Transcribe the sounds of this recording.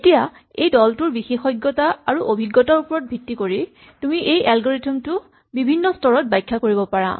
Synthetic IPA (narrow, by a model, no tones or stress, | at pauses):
etija | ejdɔltuɹbixexɔjɡːɔtaaɹuʔobʱiɡːɔtaɹupɔɹɔt̚bʱitːikoɹi | tumiʔejʔalɡoɹetɔmtʊ | bibʱinːɔstɔɹɔt̚bajkʰːakoɹibɔpaɹa̰